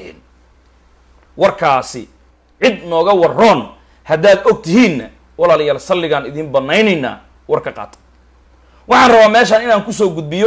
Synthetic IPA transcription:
ɛ̰ːn | wɑrkʰaːsɪ̰ | ʕɪd̪nɔːɣɐwɑrɔːn | hɐd̪aːd̪ɔɡ̚t̪ʰɪɦiːnːɐ | wɑlaːlɐjaːlsɐlːɪɣaːnɪðiːmbɐnːɛjnɛjna̰ː | wɑrkʰɐqɑ̰ːt̪ʰɐ̥ | wɑħɑːnrɐβaːmɛːʃaːnɪnaːŋkʰʊsɔːɡʊd̪̚bɪjɔ

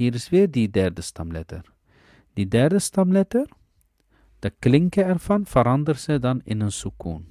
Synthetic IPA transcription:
ɦiːɾɪsʋɪːrdidɛrdəstɑmlɛ̰tə̰r | d̥idɛrdəstɑmlɛtər | d̥əklɪŋkəɛrvɑnvəɾɑndərsədɑnɪ̰nənsukṵn

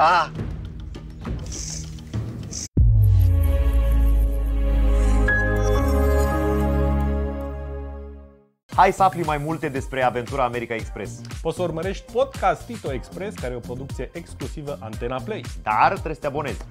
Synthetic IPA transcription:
a | hajsəaflimajmult̪e̞d̪e̞spɾe̞ave̞nt̪uɾaːme̞ɾikaekspɾe̞spot̪səurməɾe̞ʃt̪̚ʲpo̞d̪kast̪ːit̪oekspɾeskaɾeopɾo̞d̪uk̚t̪sije̞ʔeksklusivəʔant̪e̞naplejd̪̥art̪ɾest̪eabo̞ne̞z

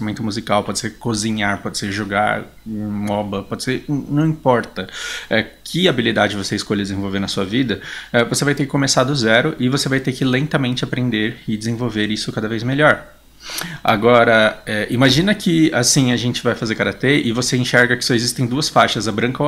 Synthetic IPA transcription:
amẽnt̪ʊmuzikawpɔd͡ʒɪseɾkozĩɲaɾpɔd͡ʒɪ̥seɾʒoɡa̰ɾ | mɔbɐpɔd͡ʒɪseɾnɐ̃w̃ĩpɔɾt̪ɐɛkʰɪabilid̪ad͡ʒɪvoseɪskoʎɐd̪d͡ʒɪzẽvowveɾnɐsuɐvid̪ɐɛvosevajt̪eɾkɪkõmesad̪ʊzɛɾʊʔɪvosevajt̪ekɪlẽnt̪ɐmẽnt͡ʃɪapɾẽnd̪eɾɪd͡ʒɪzẽvowveɾisʊkad̪ɐvejzmeʎɔɾ | a̰ɡɔɾɐɛʔimaʒĩnɐkʰɪasĩɐʒẽnt͡ʃɪvajfazeɾkaɾat̪eɪvoseĩʃɛɾɡɐkɪ̥sɔezist̪ẽj̃d̪uɐsfaʃɐzabɾɐ̃ŋkɐo

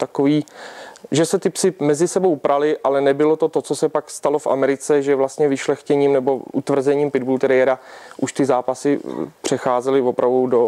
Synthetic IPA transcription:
t̪akoviː | ʒɛsɛt̪ɪpsɪmɛzɪsɛbowpɾʔalɪʔalɛnɛbɪlo̞t̪o̞t̪ot͡sosɛpakst̪alo̞fʔa̰mɛɾɪt͡sɛʒɛvlast̪ɲɛvɪʃlɛxcɛɲiːmnɛbo̞ʔut̪vr̩zɛɲiːmpɪd̪bult̪ɛɾɛjɛɾaʔuʃt̪ɪzaːpasɪpr̝̥ɛxaːzɛlɪvo̞pɾʔavdowdo

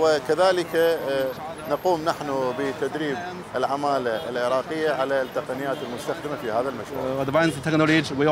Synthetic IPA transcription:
wɪkaðaːlɪka | nɑquːmnaħnubət̪ad̪ɾiːb | ɪlʕamaːlaɪlʕɪɾˤɑːqɪjːaʕalat̪ːaqanɪjːaːt̪ɪlmʊst̪axd̪ɪmafihaːðalmaʃd̪bajnfɪt̪ːɛknolod͡ʒwɪ

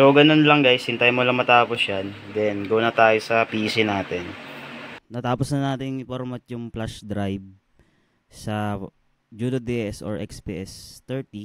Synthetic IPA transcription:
soɡɐnonlɐŋɡajsɪnt̪ɐjmolɐŋmɐt̪aːposjand̪ɛnɡownɐt̪aːjosɐpiːsɪnaːt̪ɛn | nɐt̪aːposnɐnaːt̪ɪŋɪpoɾmɐt̪̚jʊŋplaʃd̪ɾajb̚ | sɐ | d͡ʒuːd̪od̪eʔɛso̰ɹʔɛ̰kspḭːʔɛst̪ɛɹt̪i

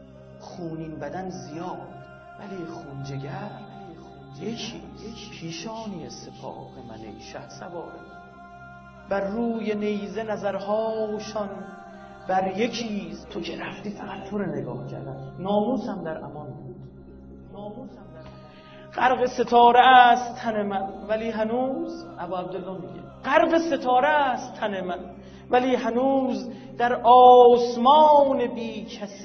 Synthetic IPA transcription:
χuːniːnbæd̪ænzijɒːd̪ | væliːxuːnd͡ʒeɟæɾ | jekʰḭpʰiːʃɒːniːesepʰɒ̰ːbemæ̰nḛjʃæ̰hsæbɒːɾe | bæɾːuːjenejzenæzæɾhɒːjʃɒn | bæɾje̞cʰiːzt̪ʰocʰeɾæft̪iːfæɣæt̪̚t̪ʰːoɾeneɡɒ̰ːhcʰæ̰ɾd̪æ̰nnɒːmuːsæmd̪æɾʔæ̰mɒnbuːd̪̥ | nɒːmuːsæm | ɢ̥æɾɢe̞se̞t̪ʰɒːɾest̪ʰæne̞mænvæliːɦænuːzæbɒːæb̚d̪elːɒːmiɟḛɢæɾɢese̞t̪ʰɒːɾeæst̪ʰːænemæn | væliːɦænuːz | d̪̥æɾʔɒːsmɒːne̞biːcʰæs

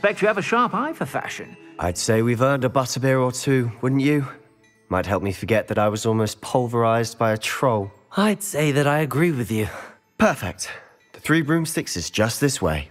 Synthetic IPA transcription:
spɛk̚t͡ʃɨəvɨʃɑɹpaɪfə˞fæ̰ʃɨ̰̃nʔa̰ɪd̥seɪwivɜ̃˞ndəbʌɾəbɪɹətʰʉwʊdⁿn̩t͡ʃɨ | maɪt̚ɦɛlˠp̚mifə˞ɡɛt̪̚ðɨɾaɪwʌzɔlˠmoʊspʰʌlˠvə˞aɪzbaɪɨtʰɹ̥oʊlˠ | aɪd̥seɪðɨɾaɪɨɡɹiwɨðjʉ | pʰɜ˞fɪ̰k̚t̪̚ | ðɨθɹibɹʉ̃mz̥θɪksɨzd̥ʒ̥ʌst̪̚ðɪswḛɪ

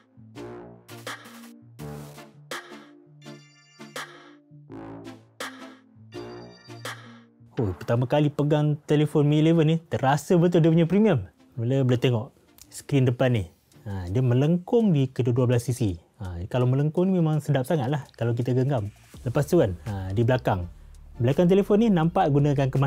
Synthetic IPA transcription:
opərt̪amakalipəɡaŋt̪elefʊnmilevənit̪əɾasəbət̪̬ʊldiəp̬uɲapɾimiəm | bələbələt̪eŋɔʔ | sə̥kɾindəpanːih | ədiəmə̃ləŋkʊŋdikəduaduablasːisi | əkalawmələŋkʊŋnimemãŋsədap̚saŋat̪̚lahkalawk̬it̪aɡəŋɡam | ləpast̪ukanədibəlakaŋbəlakaŋt̪̬elefɔnːinampaʔɡunak̬ankəma

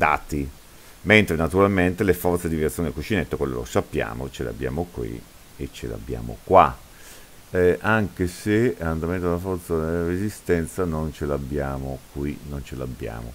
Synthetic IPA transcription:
d̪a̰ːt̪i | ment̪ɾenat̪uɾalment̪elefɔrt̪sed̪ivjat̪sjond̪lkut͡ʃinet̪ːokwelːo̰lo̰sapːja̰ːmot͡ʃelḛa̰bːja̰ːmokwḭ | et͡ʃːḛla̰bːja̰ːmo̰kwa | ʔaŋkeseand̪ament̪od̪elafɔrt̪sad̪elarezist̪ɛnt̪sanont͡ʃelabjaːmokwinont͡ʃelabːja̰ːmo̰

